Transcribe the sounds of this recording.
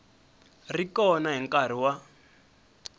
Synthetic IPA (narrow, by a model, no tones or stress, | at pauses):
rikɔnaɦiŋkʼar̤iwa